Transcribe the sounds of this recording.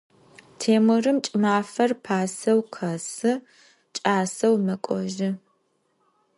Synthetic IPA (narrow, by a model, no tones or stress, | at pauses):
tʰeːmɨrɨmt͡ʃʼɨmaːfɐrpʰaːsɐwqʰɐsɨ | t͡ʃʼaːsɐwmɐkʷʼɔʒɪ